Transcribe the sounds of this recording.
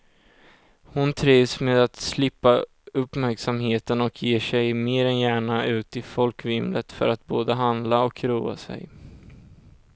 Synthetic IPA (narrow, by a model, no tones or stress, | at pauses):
hʊnt̪ʰɾiːvsmeːd̪at̪slɪpːa | ɵpmæɾksamheːt̪ənɔkʰjeːʂɛjmeːɾɛnjæːɳaʉ̟ːt̪ɪfɔlkvɪmlət̪fœ̰ɾat̪̚boːd̪əɦand̪laɔkɾuːa̰sɛ̰j